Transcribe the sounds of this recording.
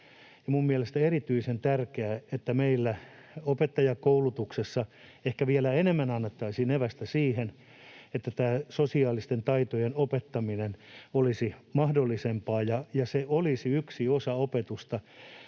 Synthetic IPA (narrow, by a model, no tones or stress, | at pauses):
jɑmummiɛlest̪æerit̪yisent̪ærkeæet̪ːæmeilːæ | opet̪ːɑjɑkoulut̪uksesːɑehkæʋiælæenemːænɑnːet̪ːɑisineʋæst̪æsiːhen | et̪ːæt̪æːsosiɑːlist̪ent̪ɑit̪ojenopet̪ːɑminenolisimɑhdolːisempɑːjɑjɑseolisiyksiosɑopet̪ust̪ɑ